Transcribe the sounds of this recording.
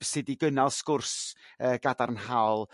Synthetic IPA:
sɪdiɡənalˠskʊrsəːɡadarnhawlˠ

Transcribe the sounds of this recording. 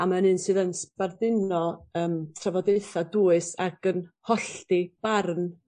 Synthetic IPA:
amanɨːnsɨːðənspardɪnɔəːmtʰravɔdejθaduːɨsaɡ̥ənhɔɬtib̥arn

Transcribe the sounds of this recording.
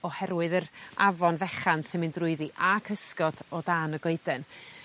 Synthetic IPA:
ɔhɛɾwɨðəɾa̰vɔnvɛχansɪnmɨndrʊɨðiʔakʰəskɔd̥ɔdaːnəɡɔɨdɛn

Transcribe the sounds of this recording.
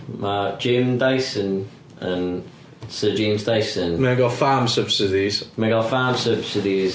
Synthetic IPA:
mḁːd͡ʒ̥ẽmdaɪsə̃n | ə̃n | sɜːd͡ʒẽːmzdaɪsə̃nmẽɡɔfaːmsəb̥sɪdiz̥mɛ̃ɡɔfaːmsəb̥sɪdiz̥

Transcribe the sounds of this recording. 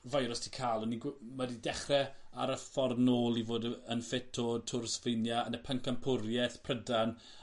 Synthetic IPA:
vajɾɔstʰi̥kʰaːlˠɔniɡmadidɛχrɛa̰ɾəfɔrnoːlˠivoːdənfɪtʰɔtʰʊrsvɪjnjaənəpʰəŋkampʰʊɾjɛθpʰrədan

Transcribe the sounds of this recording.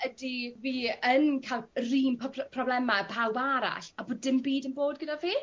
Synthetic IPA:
ədiviːənkʰalˠriːmpʰpʰrɔblɛmapʰawbaɾa̰ɬaboːdɪmbiːdənboːd̚ɡədaviː

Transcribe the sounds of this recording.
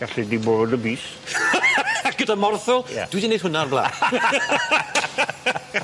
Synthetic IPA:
ɡ̥aɬidiboɾɔdəbiːs | aɡ̥ədamɔrθʊl̰ˠd̥widined̥ɦʊnarblˠa̰ː

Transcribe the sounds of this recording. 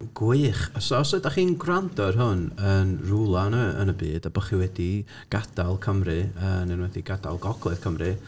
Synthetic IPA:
ɡ̥wɪχɔsɔsɨdaχiːnɡrandɔrɦʊnənrulˠanəə̰nəbiːdabəχiwɛdi | ɡ̥ad̥alˠkʰəmrɨənɛnwɛθiɡada̰lˠɡɔɡ̥lˠɨθkʰəmrɨ

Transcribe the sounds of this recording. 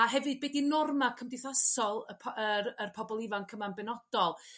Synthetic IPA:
aɦɛvɨd̚bedinɔrmakʰəmdɪθasɔlˠəpʰəərpʰɔbɔlˠɪvankʰəmanbɛnɔd̥ɔlˠ

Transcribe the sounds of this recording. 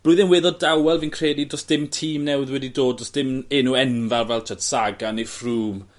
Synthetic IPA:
b̥rʊɨðɪnwɪðɔddawɛlˠvinkʰreːdidrɔsd̥ɪmtʰiːmnɛwɪðwɛdidoːdɔsd̥ɪmeːnuɛnvarvɛlˠtʰatsaɡanefruːm

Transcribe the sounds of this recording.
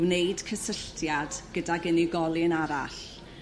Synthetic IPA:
wnejd̥kʰəsəɬtʰjadɡ̥ədaɡəniɡɔlˠɪnaɾa̰ɬ

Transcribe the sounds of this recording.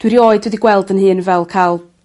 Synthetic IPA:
d̥wiɾioːɨdwɛdiɡwɛlˠdənhɨːnvɛlˠkʰalˠ

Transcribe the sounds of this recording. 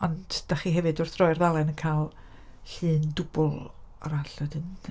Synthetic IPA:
ɔndd̥aχiːɦɛvɨdʊrθrɔjrðalˠɛnənkʰalˠ | ɬɨːndʊb̥ʊlˠa̰ɾaɬədɨn

